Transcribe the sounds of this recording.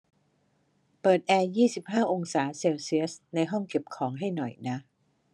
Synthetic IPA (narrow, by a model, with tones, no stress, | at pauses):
pɤː˨˩t̪̚ʔɛː˧jiː˥˩si˨˩p̚ɦaː˥˩ʔo˧ŋsaː˩˦se˧wsi˦˥əsna˧jɦɔ˥˩ŋke˨˩p̚kʰɔː˩˦ŋɦa˥˩jnɔ˨˩jna˦˥ʔ